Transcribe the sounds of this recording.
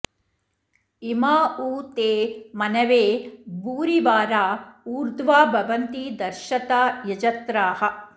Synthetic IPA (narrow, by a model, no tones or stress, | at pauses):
imaːuːt̪eːmɐnɐʋeːbuːɾiʋaːɾaːuːɾd̪ʋaːbʱɐʋɐnt̪id̪ɐɾʃɐt̪aːjɐd͡ʒɐt̪ɾaːɦɐ̆